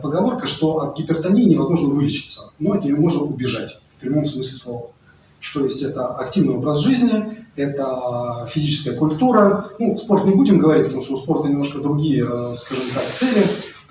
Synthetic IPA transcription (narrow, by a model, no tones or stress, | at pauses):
pəɡɐvo̞rkəʂt̪o̞ʔɐt̪ɡʲɪpʲɪrt̪ɐnʲijnʲɪvɐzmo̞ʐnəvɨlʲɪt͡ɕɪ̥t̪sə̥notʲɪjʲjomoʐnəʊbʲɪʐatʲfpɾʲɪmo̞msmɨsʲlʲɪslˠo̞və | t̪o̞jɪsʲtʲɛt̪əɐktʲivnɨjobɾəzʐɨzʲnʲɪɛt̪əfʲɪzʲit͡ɕɪ̥skəjəkʊlʲt̪uɾənuspo̞rt̪nʲɪbudʲɪmɡəvɐɾʲit̚ʲpɐt̪ɐmuʂt̪oʊspo̞rt̪ənʲɪmnoʂkəd̪ɾʊɡʲijəskaʐɨmt̪akt̪sɛlʲɪ